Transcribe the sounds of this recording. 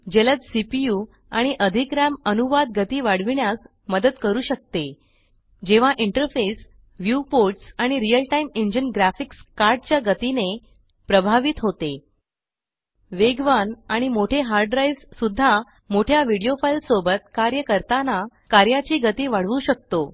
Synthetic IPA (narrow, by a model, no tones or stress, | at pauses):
d͡ʑelət͡ssipiju | aɽ̃iʔəd̪ʱikɾamənuʋad̪̚ɡʱət̪iːʋaɽʋiɳjas | məd̪ət̪kəɾuːɕək̚t̪e | d͡ʑeʋ̤aʔiɳʈəɾfes | ʋjupoɾʈsaɽ̃iɾijəlʈaimeɲd͡ʑənɡɾæfikskaɾɖ̚t͡ɕjaɡət̪ine | pɾəbʱaʋiːt̪ɦot̪e | ʋeɡʋanaɽ̃imoʈʰeɦaɾɖɾaissud̪ʱːa | moʈʰjaʋiɽijofajlsobət̪kaɾjəkəɾt̪ana | kaɾjat͡ɕiːɡət̪iːʋaɽ̤ʋuːɕək̚t̪o